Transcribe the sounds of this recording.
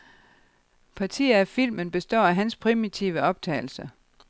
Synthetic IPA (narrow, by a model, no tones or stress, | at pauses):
pʰɑ̈t͡sʰḭːæfil̰mənb̥e̝sd̥ɒ̰ːæɦænspʰʁimit͡sʰiʊəɒ̽b̥̚t͡sʰɛ̰ːɪl̩sə